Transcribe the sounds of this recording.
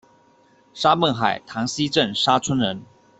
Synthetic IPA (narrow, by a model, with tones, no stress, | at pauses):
ʂa˥mə˥˩nxa˨˩ɪt̪ʰɑ˧˥ŋɕi˦ʈ͡ʂə˥˨nʂa˥t͡sʰwə˥nɻə˧˦n